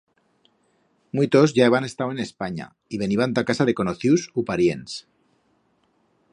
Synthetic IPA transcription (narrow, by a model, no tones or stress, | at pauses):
mwit̪o̞zʝaeβane̞st̪awe̞ne̞spaɲa̰ | iβe̞niβant̪akasaðe̞ko̞noθjusupaɾjens